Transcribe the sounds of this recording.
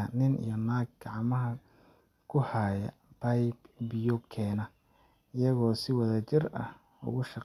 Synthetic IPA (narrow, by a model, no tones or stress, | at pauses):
nɪnḭjɔnaːɡ̚ɡɑʕmɐɦɐ | kʰʊhaːjɐ̰ | b̥ɐjbbjɔkʰɛːnɐ | ɪjɐɣɔːsɪwɐðɐt͡ʃɪrɐ̰h | ʊ̰ɣʊʃɑq